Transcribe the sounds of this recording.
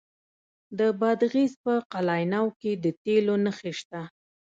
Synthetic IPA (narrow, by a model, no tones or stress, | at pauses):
d̪əbɑd̪ɣizpəqalɑjnɑwked̪ət̪elonəxeʃt̪a